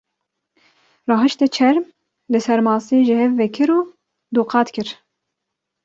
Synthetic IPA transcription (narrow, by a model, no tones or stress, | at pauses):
rɑːɦɨʃt̪ɛt͡ʃʰɛɾm | lɨsɛɾmɑːseːʒɪhɛvːɛkʰɨɾuː | d̪oːqʰɑːt̪kʰɨɾ